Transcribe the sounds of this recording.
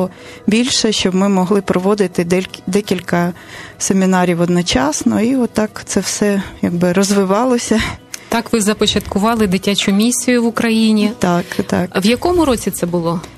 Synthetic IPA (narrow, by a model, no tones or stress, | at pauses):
ɔ | bʲilʲʃɛʃt͡ʃɔbmɪmɔɦlˠɪpɾɔʋɔd̪ɪt̪ɪd̪ɛlʲd̪ɛkʲilʲkɐ | semʲinɑɾʲiwɔd̪nɔt͡ʃɑsnɔiɔt̪ːɑkt̪sɛwsɛjaɡ̚bɪɾɔzʋɪʋɑlˠɔsʲɐt̪ɑkʋɪzɐpɔt͡ʃɐt̪kʊʋɑlˠɪd̪ɪtʲat͡ʃʊmʲisʲʊjʊʋʊkɾɐjinʲit̪ɑkt̪ɑkʋjɐkɔmʊɾɔt͡sʲit̪sɛbʊlˠɔ